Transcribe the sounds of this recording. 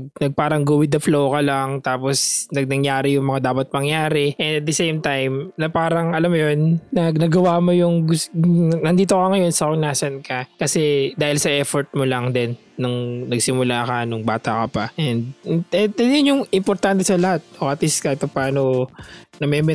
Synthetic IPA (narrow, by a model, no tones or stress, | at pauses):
ɡ̚nɐɡ̚paːɾɐŋɡuwɪd̪ɐflowkɐlɐŋt̪aːpo̞snɐɡ̚nɐŋjaːɾɪjʊŋmɐŋad̪aːpɐt̪̚mɐŋjaːɾɛʔɛnd̪ɐt̪̚d̪ɛsejmt̪ajmnɐpaːɾɐŋʔɐlamjonːɐɡnɐɡɐwamojʊŋɡʊsnɐnd̪iːt̪okɐŋɐjo̞nsɐkoŋnaːsɐnkɐkɐsɛd̪aːhɪlsɐʔɛːfoɹt̪̚molɐŋd̪ɛnːʊŋnɐɡsɪmʊlaʔɐkanʊŋbaːt̪ɐkɐpɐʔɛnd̪̚ɛɐnjʊnjʊŋɪmpoɾt̪ant̪ɛsɐlɐhat̪̚oʔɐt̪iskat̪pɐpaːnonɐmɛːmɛ